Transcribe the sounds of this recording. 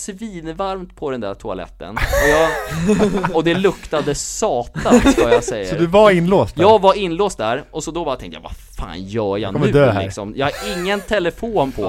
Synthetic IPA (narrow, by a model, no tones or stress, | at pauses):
sviːnvaɾmt̪pʰɔd̪ɛnd̪æʈʰʊa̰lɛ̰t̪ːə̰nɔjɑːɡ | ɔd̪ɛlɵkt̪ad̪əsɑːt̪aɔjasɛjːsə̰ɔɾd̪ɵvaɪnloːst̪jɑːɡvaɾɪnːloːst̪̚d̪æɾʔɔsɔd̪ɔbɑɾat̪ʰɛŋt̪ja̰va̰fa̰ːnjœːja̰nmʉd̪ølɦæɪ̰ɾksɔ̰mjɑ̰ɡhaɾɪŋːənt̪ʰɛləfoːnpʰɔ